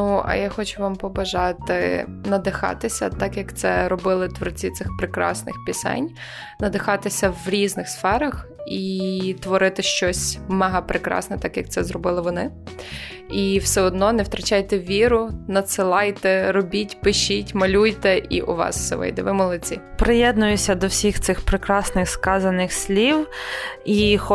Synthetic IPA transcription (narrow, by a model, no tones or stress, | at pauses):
nuɐ̰jaxɔt͡ʃʊʋɑmpɔbɐʒɑt̪ɪ̰nɐd̪ɪxɑ̰t̪ɪsʲɐt̪ɑkjɐkt̪sɛɾɔbɪlˠɪt̪ʋɔrt͡sʲit̪sɪxpɾɪkɾɑ̰snɪ̰xpʲɪsɛ̰nʲ | nɐd̪ɪxɑt̪ɪsʲɐwɾʲiznɪxsfɛɾɐxit̪ʋɔɾɪt̪ɪʃt͡ʃɔsʲmɐɦɑpɾɪkɾɑ̰snɛt̪ɑkjɐk̚t̪sɛzɾɔbɪlˠɪʋɔnɪ | iwsɛɔd̪nɔnɛwt̪ɾɐt͡ʃɑjt̪ɛʋʲiɾʊnɐt̪sɪlˠɑjt̪ɛɾɔbʲitʲpɪʃitʲmɐlʲujt̪ɛʔḭʔʊ̰ʋɑ̰sw̥sɛ̰ʋɪ̰jd̪ɛʋɪmʊlˠɪt͡sʲḭpɾɪjɛd̪nʊjʊsʲɐd̪ɔwsʲixt̪sɪxpɾɪkɾɑsnɪxskɑzɐnɪxsʲlʲiw | ixɔ